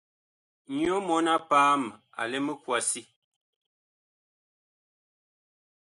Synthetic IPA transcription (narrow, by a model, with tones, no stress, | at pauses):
ɲjɔ˦mɔ˨˦na˦paː˦m˨ | a̰˨lɛ˦me˦kwa˨si˦